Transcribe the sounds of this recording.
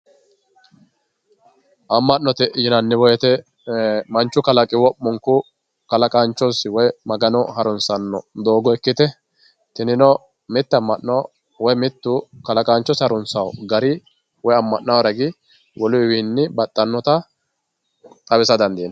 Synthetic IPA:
ʔɐmːɐnnɔt̪ɛjɪnɐnːɪwɔjɛt̪ɛ | mɐnt͡ʃːʊkɐlɐkʼɪwɔpːʊŋkʊ | kɐlɐkʼaːnt͡ʃːɔsɪwɔjmɐɡɐnɔhɐɾʊnsɐnːɔ̰d̪o̞ːɡɔɛkːɪt̪ɛ | t̪ɪnɪnɔ | mɪt̪ːɐmːɐʔnɔ | wɔjmɪt̪ːʊkɐlɐkʼaːnt͡ʃːɔshɐɾʊnsɐwɡɐɾɪ | wɔjɐmːɐʔnɐwɾɐɡɪ | wɔlʊɪwiːnːɪbɐt̪ʼːɐnːɔt̪ɐ | t̪ʼɐβɪsɐd̪ɐnd̪iːn

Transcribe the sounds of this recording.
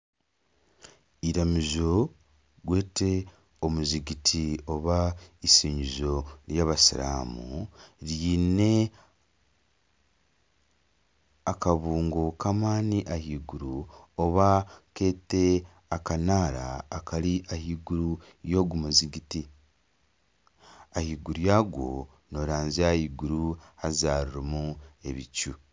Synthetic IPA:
iɾamizo̞ | ɡwe̞ːte̞ | omuziɡitʰio̞βaisiːɲizo̞ɾjaːβasiɾa̰ːmuɾiːne̞ | akaβuːŋɡokamaːniʔahiːɡuɾuoβake̞ːte | akanaːɾa̰ːkaɾiʔahiːɡuɾu | jo̞ːɡumuziɡiti | ahiːɡuɾujaːɡwo̞̰ | no̞ɾaːnziahiːɡuɾuhazaːɾuɾomue̞̰βicu

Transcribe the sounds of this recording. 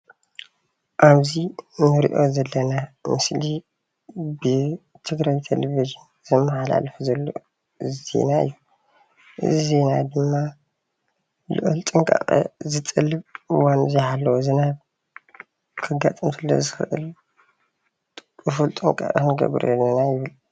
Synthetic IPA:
ʔaβzinɨɾḭʔo̞̰zɐlːɐnamɨsli | bɨ | t̪ʰɨɡɾajt̪ʰḛleviʒɨn | zɨmːɨħala̰lfuzɐlːo̰ | zḛnaɨ̰jːu | ʔɨ̰zize̞nad̪ɨmːa | lɨ̰ʔɨlt̪ʼɨŋkʼa̰χʼɐ̰zɨt̪ʼɨlːɨβɨwanɨziħalːɐwozɨnaβ | kʰɨɡat̪ʼɐmt̪ʰilːo̰zɨxɨʔɨ̰l | ɨfult̪ʼɨŋkʼa̰ʔʼɐkɨnɡɐ̰βɾɐ̰lːɐnajɪβɨl

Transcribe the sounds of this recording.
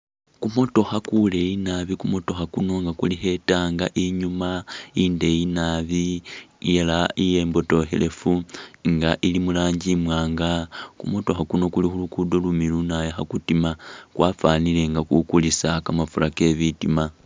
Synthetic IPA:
kumo̞to̞xakule̞inaβikumo̞to̞xakuno̞ŋɡakuliɦe̞taːŋɡaʔiɲumainde̞jinaβijelaije̞ːmbo̞to̞xḛle̞fuŋɡaʔilimulaːɲɟimwaːŋɡakumo̞to̞xakuno̞kulixulukudo̞lumilunajaxakutimakwaːfaːnile̞ŋɡakukulisakamafulake̞βitima

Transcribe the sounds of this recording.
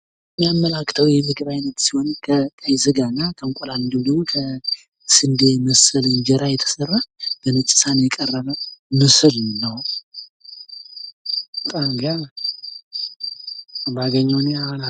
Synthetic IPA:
mːijamːəlakːt̪ʰəwjɛmːɨɡɨβajnət̪sihɔnkʰəkʼajzɨɡaɨnːakʰəŋkʼoland̪ɨmd̪əɡmokʰə | sɨnd̪emɨsɨlɨnd͡ʒɛɾajɛt̪ʰə̥sərːab̥ənɨt͡ʃʼɨ̥sanjɛkʼərːəβəmɨsɨlnəw | bət̪ʼamɡa | baɡəɲːəwneana

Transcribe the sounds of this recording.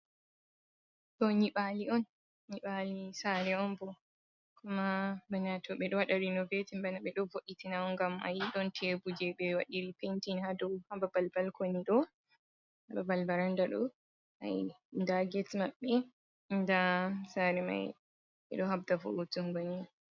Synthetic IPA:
ɗɔɲiɓaliɔnː | iɓalisaɾɛɔnbɔ | kumabanatɔɓɛɗɔwaɗaɾinɔvetimbanaɓɛɗɔvoɗitinaɔŋɡama̰jiɗɔntʰebud͡ʒɛɓɛwaɗiɾipentinhadɔwhababalbalkoniɗɔ | hababalbaɾandaɗɔ̰ | ʔa̰j | ndaɡɛtmaɓːɛ | ndasaɾɛma̰j | ɛ̰ɗɔhab̚dafo̰tuŋɡoni

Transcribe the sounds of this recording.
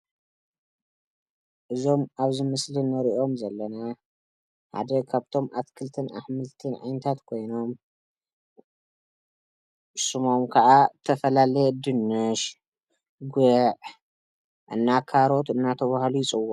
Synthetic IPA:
ʔɨzo̞maβzɨmɨslinɐɾiʔo̞mzɐlːɐna | ħa̰d̪ɐkʰaβt̪ʰo̞mʔat̪kʰɨlt̪ʰɨnʔa̰ħmɨlt̪ʰɨnʕa̰jnɐt̪ʰat̪kʰo̞jno̞m | ʔsumo̞mkʰɐʔat̪ʰɐfɐlalɐjed̪ɨnːɨʃ | ɡɨʕ | ʔɨ̰nːakʰaɾo̞t̪ɨnːat̪ʰɐβahlujɪt͡sʼɨwo

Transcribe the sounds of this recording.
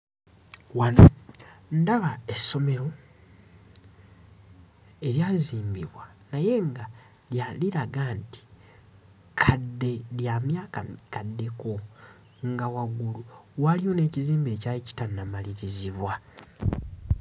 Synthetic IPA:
wanondaβaesːo̞me̞ɾo̞ | e̞ɾjaziːmbiβwa | naje̞ŋɡa | ljaliɾaɡaːnti̥ | kʰadːe̞ljamjaːkakadːe̞ko̞ | ŋɡawaɡuluwalijo̞ne̞ːciziːmbe̞ːcaici̥tanːamaliɾiziβwa

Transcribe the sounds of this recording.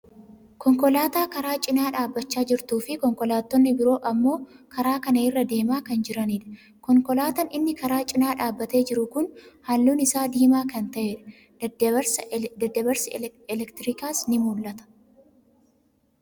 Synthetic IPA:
kɔŋkɔlaːt̪aːkɐɾaːt͡ʃʼɪnaːᶑaːbːɐt͡ʃːaːd͡ʒɪɾt̪uːfɪkɔŋkɔlaːt̪ːɔnːɪbɪɾo̞ːʔɐmːo̞ːkɐɾaːkɐnɐɪrːɐd̪e̞ːmaːkɐnd͡ʒɪɾɐniːᶑɐ̥ | kɔŋkɔlaːt̪ɐnɪnːɪkɐɾaːt͡ʃʼɪnaːᶑaːbːɐt̪e̞ːd͡ʒɪɾʊkʊnhɐlːuːnɪsaːd̪iːmaːkɐnt̪ɐʔeːᶑɐ̥ | ɐɾsɐd̪ɐd̪ːɐbɐɾsɪɛlɛkt̪ɪɾɪkaːsnɪmuːlːɐt̪ɐ̥

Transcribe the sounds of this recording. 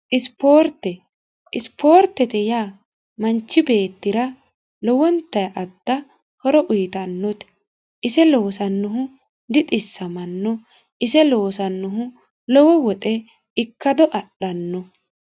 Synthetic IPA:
ʔɪspoːɾt̪ːɛ | ɪspo̞ːɾt̪ːɛt̪ɛjaː | mɐnt͡ʃːɪbe̞ːt̪ːɪɾɐ | lɔwɔnt̪ːɐjʔɐd̪̥ːɐ | hɔɾɔʔʊjt̪ɐnːɔt̪ɛ̥ | ʔɪsɛloːsɐnːʊɦʊ | d̪ɪt̪ʼɪsːɐmɐnːɔ | ɪsɛlo̞ːsɐnːʊɦʊ | lɔwɔwɔt̪ʼɛ | ɪkːɐd̪ɔʔɐɗɐnːɔ

